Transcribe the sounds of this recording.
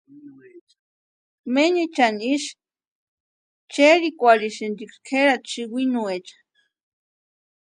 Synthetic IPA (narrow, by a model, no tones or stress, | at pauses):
meɲit͡ʃaniʃ | t͡ʃeɾikʷaɾiʃend̪ikskʰeɾat͡ʃiwinuet͡ʃḁ